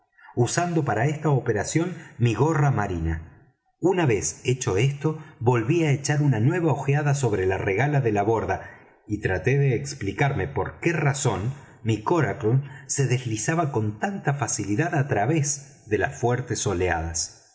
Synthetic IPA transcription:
usand̪o̞paɾaest̪aopeɾasjo̞nmiɣo̞ramaɾina | unaβe̞se̞t͡ʃo̞e̞st̪o̞βo̞lβiaet͡ʃaɾunanwe̞βaoxjaðaso̞βɾelareɣalaðe̞laβo̞ɾða | it̪ɾat̪e̞ðeːksplikaɾme̞po̞ɾkeraso̞n | mikoɾaklse̞ðe̞zlisaβako̞nt̪ant̪afasiliðaðat̪ɾaβe̞z | ðe̞la̰sfweɾt̪e̞so̞lea̰ð̞as

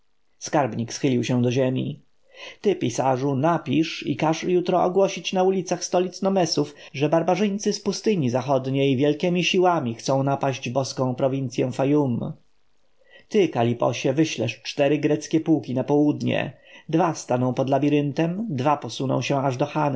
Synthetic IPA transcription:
skaɾbɲiksxɘlʲiwɕɛ̃d̪ɔʑemʲḭ | t̪ɘpʲisaʐunapʲiʂḭkaʂjut̪ɾɔɔɡwɔɕit͡ɕnaulʲit̪saxst̪ɔlʲit̪snɔmɛsufʐɛbaɾbaʐɘɲt̪sɘspust̪ɘɲizaxɔd̪ɲejvʲjɛlkʲɛmʲiɕiwamʲixt̪sɔ̃w̃napaʑd͡ʑbɔskɔ̃w̃pɾɔvʲint̪sʲjɛw̃fajum | t̪ɘkalʲipɔ̰ɕɛvɘɕlɛ̰ʂt͡ʂt̪ɛɾɘɡɾɛt̪skʲɛpuwkʲinapɔwud̪ɲɛ̰ | d̪vast̪anɔ̃w̃pɔd̪labʲiɾɘnt̪ɛmd̪vapɔsunɔ̰̃w̃ɕɛ̃aʐd̪ɔxan

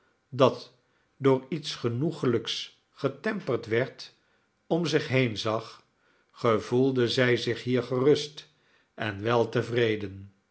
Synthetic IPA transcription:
dɑt | dʊːɹitsχənuχələks | χətɛmpəɹtʋɛɹt | ɔmzɪχɦejnzɑχ | χəvulˠdəzɛjzɪχɦiːɹχərɵst | ʔɛnʋɛlˠtəvrejdən

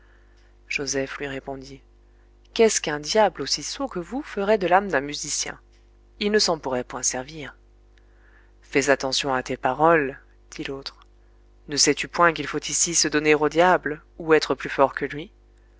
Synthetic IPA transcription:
ʒ̥ozɛflɥiʁepɔ̃d̪i | kɛskɛ̃d̪jablosisokəvufəʁɛd̪əlamd̪ɛ̃myzisjɛ̰̃ | ilnəsɑ̃puʁɛpwɛ̃sɛʁviːʁ | fɛzat̪ɑ̃sjɔ̃at̪epaʁɔl | d̪̥ilot̪χ | nəsɛt̪ypwɛ̃kilfot̪isisəd̪ɔneʁod̪jabl | uɛt̪χəplyfɔʁkəlɥi

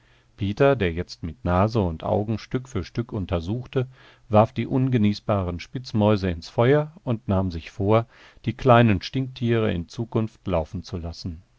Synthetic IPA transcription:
pʰeːtɐdeːɐjɛt͡stmɪtnaːzəʊntʔa̰ʊɡŋ̩ʃtʏkfyːɐʃtʏkʊntɐzuːxtə | vaɐfd̥iːʔʊnɡəniːsb̥aːʁənʃpɪt͡smɔʏzəɪnsfɔʏɐʊntnaːmzɪçfoːɐ | d̥iːkl̥aɪnənʃtɪŋktʰiːʁə̰ɪ̰nt͡suːkʊnftlaʊfn̩t͡sulasn̩

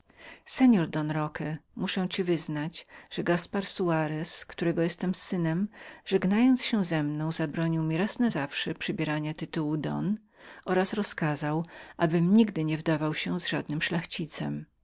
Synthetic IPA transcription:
sɛɲɔɾd̪ɔnɾɔkɛmuʂɛw̃t͡ɕivɘznad͡ʑʐ̥ɛɡaspaɾsuaɾɛskt̪uɾɛɡɔjɛst̪ɛmsɘnɛmʐɛɡnajɔnt̪sɕɛzɛmnɔ̃w̃zabɾɔɲiwmʲiɾasnazafʂɛpʂɨbʲjɛɾaɲat̪ɘt̪uwud̪ɔ̰n | ʔɔɾasɾɔskazawʔabɘmɲiɡd̪ɘɲɛvd̪avawɕɛzʐad̪̚nɘmʂlaxt͡ɕit̪sɛ̰m

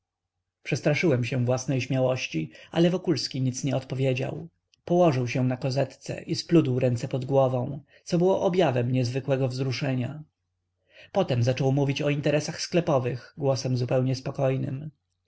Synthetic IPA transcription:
pʂɛst̪ɾaʂɘwɛmɕɛ̃vwasnɛjɕmʲjawɔɕt͡ɕia̰lɛvɔkulskʲiɲit̪sɲɛɔt̪pɔvʲjed͡ʑa̰w | pɔwɔʐɘwɕɛ̃nakɔzɛt̪t̪sɛ̰ʔisplud̪wɾɛnt̪sɛpɔd̪ɡwɔvɔ̃w̃ | t̪sɔbɘwɔʔɔbʲjavɛmɲɛzvɘkwɛɡɔvzɾuʂɛɲa | pɔt̪ɛmzat͡ʂɔwmuvʲit͡ɕɔint̪ɛɾɛsaxsklɛpɔvɘɣɡwɔsɛmzupɛwɲɛspɔkɔjnɘ̰m

